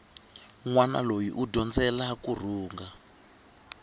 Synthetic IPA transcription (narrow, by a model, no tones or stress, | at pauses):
ŋwana̰lojḭʔudɔnd͡zɛlakur̤uːŋɡa